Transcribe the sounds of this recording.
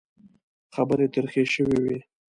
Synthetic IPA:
xabəɾet̪əɾxeʃəwiwi

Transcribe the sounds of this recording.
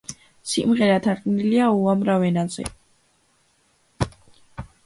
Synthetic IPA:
sḭmʁɛɾat̪ʰaqʼniliauamɾavɛnazɛ̰

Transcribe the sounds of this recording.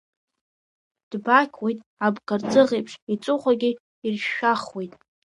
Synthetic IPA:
d̥bakʲʰwejtʼ | abkʰʼart͡sʼɨʁejpʰʂit͡sʷʼʊχʷaɡʲɪ | irʃːaχwejtʼ

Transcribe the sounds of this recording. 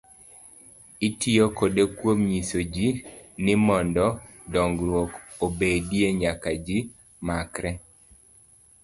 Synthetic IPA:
itʰiokodekwomɲisod͡ʒinɪmɔndɔ | dɔŋɡɾwokobedijeɲakad͡ʒi | makɾɛ

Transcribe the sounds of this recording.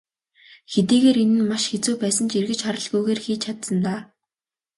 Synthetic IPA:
xet̪iːɣeːɾenɘ̆nmaʃxet͡suːpæːsə̆nt͡ɕirɣɘ̆t͡ɕχaɾə̆ɮɣujɣeːrxiːt͡ɕʰat̪sə̆nt̪aː

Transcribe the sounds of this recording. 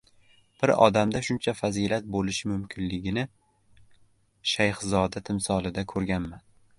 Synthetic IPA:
b̥ɪɾɒ̰d̪amd̪aʃʊnt͡ʃʰafazilat̪̚bolɪʃɪmʊmkʲʰɪnlɪɡʲɪnɪ | ʃajχzɒd̪at̪ʰɪmsɒlˠɪd̪akʰɵɾɡʲanman

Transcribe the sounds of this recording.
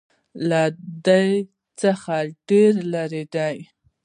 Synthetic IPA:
lad̪aj | t͡səxaɖeɾlaɾed̪aj

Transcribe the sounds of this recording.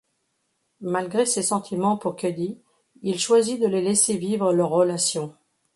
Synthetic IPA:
malɡʁesesɑ̃t̪ʰimɑ̃puʁkʲød̪i | ilʃwazid̪əlelɛsevivʁəlœʁːəlasjɔ̃

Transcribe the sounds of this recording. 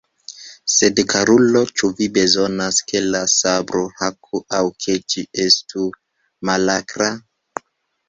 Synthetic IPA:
se̞dkaɾulo̞t͡ʃuvibe̞zo̞naske̞lasabɾohakʰuawkʰe̞t͡ʃie̞stu | malakɾa

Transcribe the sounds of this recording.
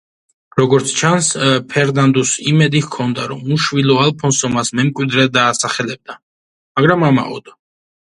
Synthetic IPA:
ɾɔɡɔɾt̪sʰt͡ʃʰanspʰɛɾnand̪usimɛd̪ihkʰɔnd̪aɾɔmuʃvilˠɔalˠpʰɔnsɔmasmɛmkʼwid̪ɾɛd̪aːsaχɛlɛb̚d̪a | maɡɾamama̰ɔ̰d̪̥ɔ

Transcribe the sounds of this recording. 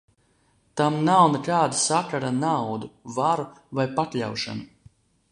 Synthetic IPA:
t̪amnawnɨkaːd̪asakaɾanawd̪uvaɾuvajpat̪lʲa̰wʃa̰nu

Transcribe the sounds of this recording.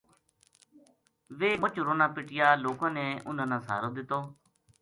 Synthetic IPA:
ʋeːmʊt͡ʃɾoːnãːpɪʈɪjaːloːkãːneːʔʊnãːnãːsa̰ːɾoːd̪ɪt̪ːoː

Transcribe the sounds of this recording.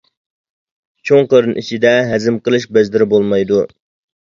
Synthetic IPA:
t͡ʃʰoŋqəɾɨnʔit͡ʃʰid̪ɛɦɛzɪmqəlˠɨʃbɛzd̪ɪɾɪbolˠmɑjd̪u

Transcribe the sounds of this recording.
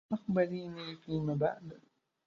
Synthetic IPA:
ʔakbaɾiːnifiːmaːba̰ʕd̪

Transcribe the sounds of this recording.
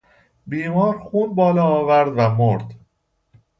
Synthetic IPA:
biːmɒːɾxuːnbɒːlɒːvæɾd̪væmoɾd̪

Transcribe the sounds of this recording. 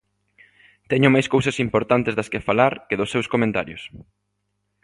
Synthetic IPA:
t̪ɛɲʊmajskowsɐsimpoɾt̪ant̪ezðɐskefalaɾkɪðʊsːewskomẽnt̪aɾjʊs

